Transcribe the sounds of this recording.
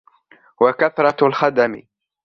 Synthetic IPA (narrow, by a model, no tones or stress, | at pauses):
wakaθɾˤɑlxad̪amɪ̰